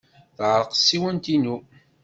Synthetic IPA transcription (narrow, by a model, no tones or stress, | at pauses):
θʕɾəqsːiwənt̪inu